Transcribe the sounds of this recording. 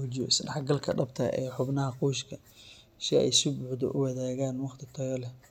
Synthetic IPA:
ʊd͡ʒɔsɐdɐħɡɐlkʰɐɖɐbt̪ʰɐʔɛːħʊbnɐɦɐquːʃkʰɐ | ʃɪɛ̰jsʊbʊːħd̪ɔ̰ʔʊwɑðaːɣaːnwɑχt̪ʰɪt̪ʰɔjɔlɛ

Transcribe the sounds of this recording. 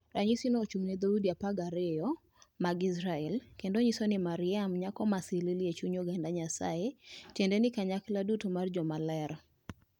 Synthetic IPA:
ɾaɲisinot͡ʃumnɛd̪audiapaɡaɾɪjɔ | maɡɪsɾaɛlkendoɲisonimaɾɪamɲakɔmasɪliljet͡ʃuɲoɡandaɲasa̰et͡ʃɛndɛnɪkaɲakladutomard͡ʒɔmalɛɾ

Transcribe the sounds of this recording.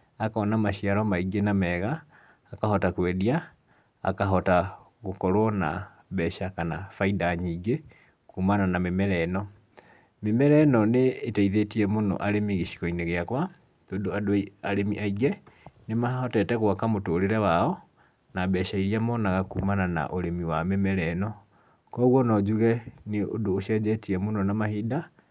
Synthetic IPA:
akɔnamaʃiaɾɔmaiɡenamɛːɣaː | kahɔtakwɛðia | a̰kaɦɔta | ɣokɔɾwɔna̰ | βɛːʃakana̰faidaɲiɡe | kuːmananamemɛɾɛnɔ | memɛɾɛnɔneːtaiðetiɛmonɔ̰ʔaɾemiɣeʃi̥kɔineɣeakwa | toːndoadiaɾemiʔaiɡɛnemahahɔtɛtɛɣwakamotoːɾeɾɛwaɔ | naβɛʃaiɾiamɔnaɣakuːmanana̰ʔoɾemiwamemɛɾɛnɔ | kɔɣwɔnɔd͡ʑuɣɛneo̰doːʃɛd͡ʑɛtiɛmonɔnamahiːda

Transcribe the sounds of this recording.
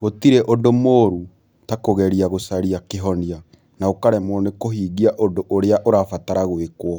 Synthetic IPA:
ɣotiɾɛʔondomoːɾu | takoɣɛɾiaɣosaɾiakeɦɔnia | naokaɾɛmɔnekoɦiːɣiaʔondoʔoɾeaʔoɾaːfataɾaɣwekwɔ

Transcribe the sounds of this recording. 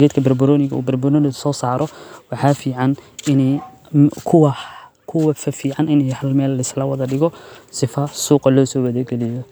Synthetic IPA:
ɛːd̪kʰɐbɐrbʊɾɔːnɪɣɐ̰ʔṵːbɐrbʊɾɔːnɪsɔːsaːɾɔwɑħɑːfiːʕɑnɪnɛ | kʰʊwɐ | kʰʊwɐfɐfiːʕɑnɪnɛjhɐlmɛːlɐɪslɐwɑðɐɖɪɣɔsɪfɐsuːqɐlɔːsɔːwɐðɛɡɛlɪjɔ

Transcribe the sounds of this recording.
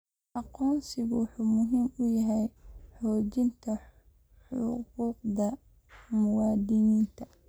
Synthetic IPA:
ʔɑqɔːnsɪɣʊwʊħuːmʊɦiːmʊjɐɦɛjħɔːt͡ʃɪnt̪ʰɐ | ħʊ̰quːqd̪ɐ | mʊwɑːd̪ɪjiːnt̪ʰɐ

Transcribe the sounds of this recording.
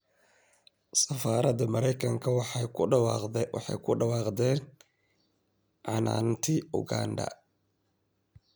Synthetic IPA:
sɐfaːɾɐd̪ɐmɐɾɛjkʰɐŋkʰɐwɑħɑjkʰʊɖɐwɑq̪ɛwɑ̰ħɑ̰jkʰʊɖɑwɑːqd̪ɛːn | ʕɑna̰ːnt̪ʰiʊ̰ɡa̰ndɐ̰

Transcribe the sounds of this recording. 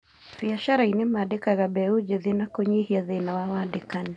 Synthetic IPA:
biaʃaɾainɪmadikaɣabɛud͡ʒeðinakoɲihiaðɪnawawadikani

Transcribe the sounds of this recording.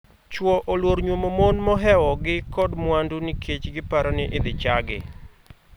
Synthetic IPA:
t͡ʃwɔʔolwoɾɲwomomonmɔɦɛwɔɡɪkɔdmwandunikʰet͡ʃɡɪpaɾɔnɪʔɪd̪ɪt͡ʃaɡɪ̰

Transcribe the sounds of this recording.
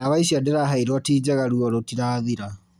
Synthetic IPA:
aβaiɕiadeɾaɦaiɾwɔtiːd͡ʑɛɣaɾuɔɾotiɾaːðiɾa

